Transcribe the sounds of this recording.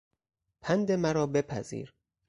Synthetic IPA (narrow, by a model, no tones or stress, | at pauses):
pʰænd̪emæɾɒːbe̞pʰæ̰zḭːɾ